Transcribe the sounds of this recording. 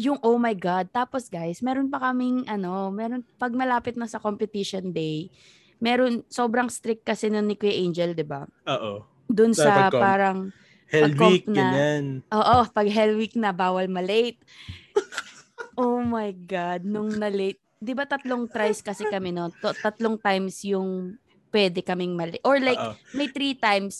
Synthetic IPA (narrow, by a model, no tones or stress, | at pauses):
jʊŋʔowmajɡad̪̚t̪aːposɡajsmɛːɾonpɐkɐmɪŋʔɐno̞mɛːɾonpɐɡ̚mɐlaːpɪt̪̚nɐsɐkompɪt̪ɪʃond̪ɛj | mɛːɾonso̞ːbɾɐŋst̪ɾɪk̚ːɐsɛnonːɪkwɛʔejnd͡ʒɛld̪ɪba̰ʔoːʔo | d̪ʊnsɐppaːɾɐŋ | hɛɐlkoimpnɐanʔoːʔopɐɡɦɛlwik̚nɐbaːwɐlmɐlejt̪̚ | ʔowmɐjɡad̪̚nʊŋnɐlejt̪̚d̪ɪbat̪ɐt̪loŋt̪ɾajskɐsɛkɐmɛnot̪ot̪ɐt̪loŋt̪ajmsjʊŋ | pwɛd̪ɛkɐmɪŋmɐlʔoɹlajkmɐjt̪ɾiːt̪ajms